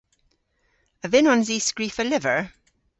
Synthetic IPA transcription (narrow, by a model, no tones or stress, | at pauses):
əvɪnɔnziːsɡɹifəlɪvəɹ